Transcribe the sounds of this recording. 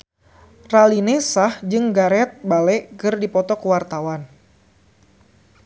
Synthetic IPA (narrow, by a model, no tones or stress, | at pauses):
ralinesahd͡ʒɨŋɡaɾɛt̪̚balɛkɨrdipɔt̪ɔkəwart̪awan